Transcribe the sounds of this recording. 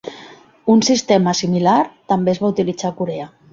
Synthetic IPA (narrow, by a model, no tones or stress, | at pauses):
unsist̪eməsimilaɾt̪ambezβaut̪ilid͡zakuɾea